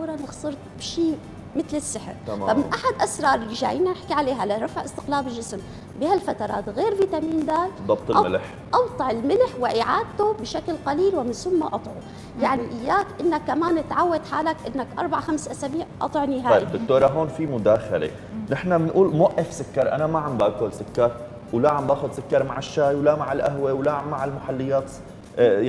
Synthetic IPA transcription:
uːɾˤɑnɪxsˤɨɾt̪bʃiː | mɪt̪lɪsːɪħɾmfamɪnʔaħad̪ʔasɾˤɑːɾˤɪlːɪʒa̰ːjiːnanɪħkiʕaleːɦalaɾˤɑfʕʔɪst̪ɪ̥qlaːbɪlʒɪsm | bɪhalfat̪ɑɾˤɑ̰ːt̪ɣeːɾviːt̪amiːnd̪aːlðˤːɑb̚t̪ˤlmɪlħ | ʔɑbt̪ˤɑʕɪlmɪlħwɪʔɪʕaːd̪̚t̪ʊbʃaklqaliːlwɪmɪnsʊmːaʔɑt̪ˤʕu | jaʕniʔɪjːaːkʔɪnːakːamaːnʔɪt̪ʕawːad̪ħaːlakʔɪnːakʔɑ̰ɾˤbaʕxamsʔasabiːʕʔɑ̰t̪ˤʕnɪɦaːɑːjibd̪ʊkt̪oːɾˤɑɦoːnfimʊd̪aːxa̰lḛ | nɪħnamɪnʔuːlmaʔːɪfsʊkːɑɾˤʔa̰namaʕambʔaːkʊlsʊkːɑɾˤ | wlaʕambʔaːxʊd̪sʊkːɑɾˤmaʕɪʃːaːjwlamaʕɪlʔaɦwewlamaʕɪlmaħalːɪjːaːt̪

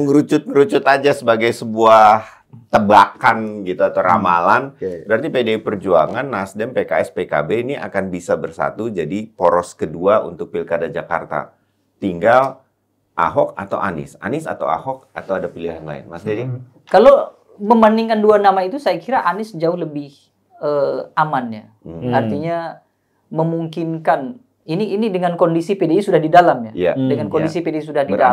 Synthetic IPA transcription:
ŋɾut͡ʃʊt̪̚ŋəɾut͡ʃʊt̪ad͡ʒasəbaɡajsəbuah | t̪əbakanɡit̪uat̪awɾa̰malanbəɾart̪ipedeipərd͡ʒuaŋanːasdɛmpekaɛspeka̰beiniʔa̰kanbisabərsa̰t̪ud͡ʒadipɔɾɔskəduaṵnt̪ʊk̚pilkadad͡ʒaka̰rt̪a̰ | t̪iŋɡal | ʔa̰ɦɔk̚at̪a̰wʔanɪ̰sa̰nɪsa̰t̪a̰wa̰hɔk̚at̪awadapiliɦanla̰ɪ̰nmasdi | kalo | məmbandiŋkanduanamait̪usajakiɾaʔanɪsd͡ʒaʊɦləbɪh | əamanja | art̪iɲa | məmuŋkinkan | iniːnidəŋankondisipedeisudahdidalamɲajadəŋankondisipedeis̬udahdiəa

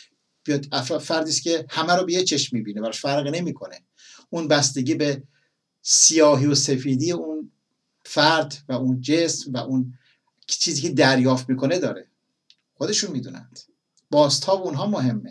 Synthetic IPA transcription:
b̥ijɒd̪æffæɾd̪iːskʲʰe̞hæmæɾobejet͡ʃʰe̞ʃmːiːbiːnebæɾɒʃfæɾɣne̞miːkʰo̞ne | ʔunbæst̪eɟiːbe | sijɒːɦiːosefiːd̪iːjeun | fæɾd̪væund͡ʒesmvæʔun | t͡ʃʰiːziːkʲʰed̪æɾjɒːft̪miːkʰo̞ne̞d̪ɒːɾe | xod̪e̞ʃunmiːd̪ṵːnæ̰nd̪̥ | b̥ɒːst̪hɒːbounɦɒːmoɦe̞mːe

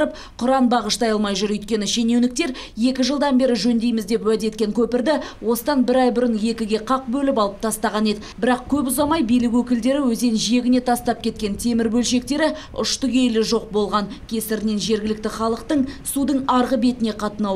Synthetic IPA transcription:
ɾəp̚ | qʰʊɾɑnbɑʁəʃt̪ɑjɑlˠmɑjʒʊɾʏjt̪kʲe̞nɪʃenewnɪk̚t̪e̞ɾ | je̞kʲɪʒəlˠd̪ɑnbe̞ɾɪʒɵnd̪e̞jmɪzd̪e̞pwæd̪e̞t̪kʲe̞ŋkʲʰɵpɪɾd̪ɪwo̞səd̪ɑnbɪɾɑjbʊɾənje̞kʲɪɡʲe̞qʰɑq̚bɵlɪpɑlˠəp̚t̪ʰɑst̪ɑʁɑne̞d̪ɪbɪɾɑq̚kʲʰɵpʊzɑmɑjbijlɪkwɵkʲɪld̪e̞ɾɪwɵze̞nʒije̞ɡʲɪne̞t̪ʰɑst̪ɑp̚kʲʰe̞t̪kʲe̞nt̪ʰe̞mɪɾbɵlʃe̞k̚t̪e̞ɾɪ | ʊ̰ʃt̪ʊɡʲe̞jlɪʒo̞q̚bo̞lˠʁɑnkʲʰe̞sɪɾɪne̞nʒe̞ɾɡʲɪlɪkt̪ɪχɑlˠəqt̪əɴsud̪əɴɑɾʁəbe̞t̪ɪne̞qʰɑt̪ənɑw

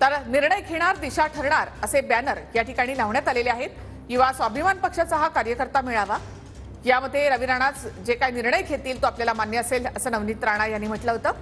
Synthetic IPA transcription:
t̪əɾniɾɳəjkʰeɽ̃aɾd̪iɕaʈʰəɾɳaɾəsebænəɾjaʈʰikaɽ̃iːlaʋɳjat̪aleleaɦet̪ | kĩʋ̤asʋabʱimanpəkʂat͡səɦakaɾjəkəɾt̪amiɭaʋa | jaməd̪ʱjeɾəʋiɾaɽ̃at͡sd͡ʑekajniɾɳəjkʰet̪iːlt̪oapljalamanjəəseləsəːnəʋniːt̪ɾaɽ̃ajanːiːm̤əʈləɦot̪əː

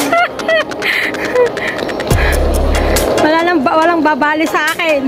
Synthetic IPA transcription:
mɐlaːnɐŋbawɐlaŋbaːbaːlɪsɐʔaːkɛn

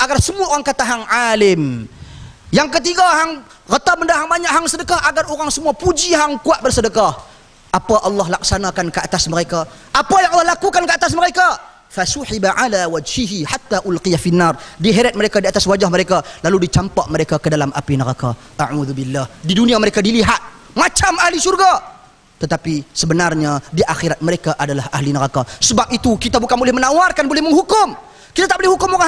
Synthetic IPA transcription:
ʔaɡarsəmuaʔoɣaŋkat̪aɦaŋʕalɪm | jaŋkət̪̬iɡaɦaŋ | ɣət̪aməndaɦaŋbaɲaʔɦaŋsədəkahʔaɡaroɣaŋsəmuapud͡ʒiɦaŋkuaʔ̚bərsədəkah | ʔapaʔɑlːɑɦlak̚sanakankəat̪asməɾekaʔapajaŋʔɑlːɑhlakukankəat̪as̬məɾeka | fasuħibaʕalawad͡ʒhiɦiħat̪ːaʔʊlqijafinːardiɦeɾat̪̚məɾekadiat̪aswad͡ʒahməɾekalaludit͡ʃampaʔməɾekakədalamʔa̰pinəɾaka | ʔaʕuðubilːahdidunĩaməɾekadiliɦat̪̚ | mat͡ʃamahlisurɡa | t̪ət̪apisəbənarɲadiʔaxiɾat̪̚məɾekaʔadalahʔa̰hlinəɾakasəbap̚it̪ukit̪abukanbolɪhmənãwarkanbolɪhməŋɦukʊm | kit̪at̪aʔbolɪhukʊmoɣa

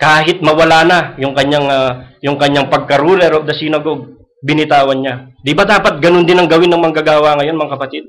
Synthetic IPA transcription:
kaːɦɪt̪̚mɐwɐlaːnɐjʊŋkɐɲaŋjʊŋkɐɲːaŋpɐɡ̚kɐɾuːlɛɾod̪ɐsinɐɡoɡ̚ | bɪnɪt̪aːwɐnɲad̪ɪbad̪aːpɐt̪̚ɡɐnond̪ɪnɐŋɡɐwɪnːɐŋmɐŋɡaɡaːwɐŋɐjo̞nmɐŋakɐpɐt̪ɪd̪̚

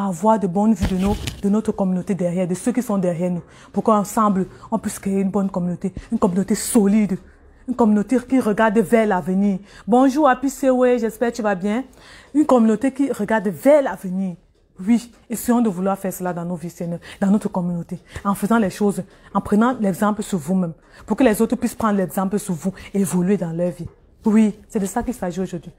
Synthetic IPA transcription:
avwaʁd̪ebɔ̃nvid̪ənod̪ənɔt̪χəkɔmynot̪ed̪ɛʁjɛːʁd̪əsøkisɔ̃d̪ɛʁjɛːʁnu | puʁkøɑ̃sɑ̃bləɔ̃pɥiskʁeeynbɔnkɔmynot̪eynkɔmynot̪esɔlid̪ | ynkɔmynot̪ekiʁəɡaʁd̪vɛlavəniːʁbɔ̃ʒuːʁapiseweʒɛspɛʁt̪yvabjɛ̃ | ynkɔmynot̪ekiʁəɡaʁd̪evɛlavəniːʁ | wi | esiɔ̃d̪əvulwaʁfɛːʁsəlad̪ɑ̃novisɛnɛd̪ãnot̪χəkɔmynot̪eɑ̃fəzɑ̃lɛʃoz | ɑ̃pχənɑ̃lɛɡzɑ̃pləsyʁvumɛ̃m | puʁkəlɛzot̪χəpwɥispʁɑ̃d̪ʁəlɛɡzɑ̃pləsyʁvueevɔlɥed̪ɑ̃lœʁvi | wisɛd̪əsakilsaʒioʒod̪ɥi

